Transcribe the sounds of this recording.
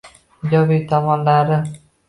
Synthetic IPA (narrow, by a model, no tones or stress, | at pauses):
d͡ʒɒbit̪ʰɒmɒnlaɾɪ